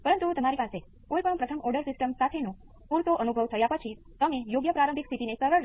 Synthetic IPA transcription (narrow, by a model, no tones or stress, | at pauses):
pəɾənt̪ut̪əmaɾipase | kojpəɳpɾət̪ʰəmɔɾɖəɾsɪsʈəmsat̪ʰenũ | puɾt̪oʔənubʱəʋt̪ʰəjapət͡ʃʰi | t̪əmejoɡjəpɾaɾə̃mbʱikst̪ʰit̪inesəɾəɾ